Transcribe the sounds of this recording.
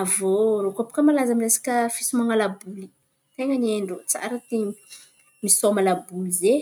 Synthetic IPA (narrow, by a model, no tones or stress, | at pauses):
avorokapu̥kəmalazamiresi̥kʲəfisimaŋalabuli | t̪eŋəneɳɖ͡ʐut͡sa̰ɾət̪e | misomalabulize